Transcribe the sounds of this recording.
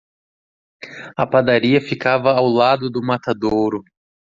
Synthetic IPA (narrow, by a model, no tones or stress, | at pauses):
ɐpad̪aɾiɐfikavɐːwlad̪ʊd̪ʊmat̪ad̪owɾʊ